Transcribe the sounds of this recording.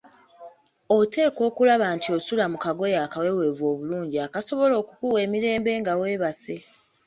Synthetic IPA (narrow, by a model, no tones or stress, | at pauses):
o̞te̞ːko̞ːkulaβaːntio̞sulamukaɡo̞jaːkawe̞we̞ːvwo̞ːβuluːɲɟiakaso̞βo̞lo̞ːkukuwe̞ːmiɾe̞ːmbe̞ːŋɡawe̞ːβase̞